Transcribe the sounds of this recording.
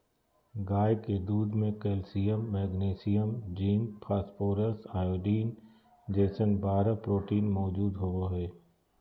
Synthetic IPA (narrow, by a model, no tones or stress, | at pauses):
ɡaːjked̪uːd̪mẽkeːlsijəmːɛːɡneːsijəmd͡ʒiːmpʰaːspoːɾəsaːjoːɖiːn | d͡ʒeːsənbaːɾapɾoːʈiːnmɔːd͡ʒuːd̪ɦoʋoɦɛː